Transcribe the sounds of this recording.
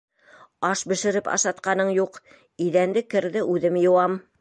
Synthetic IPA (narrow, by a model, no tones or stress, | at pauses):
ɑʃbɘ̆ʃɘ̆ɾɘpɑ̰ʃɑt̪̚qɑnɤɴjuq | iðænd̪ɘkɘ̆ɾðɘʔʉðɘmjɤ̆wɑm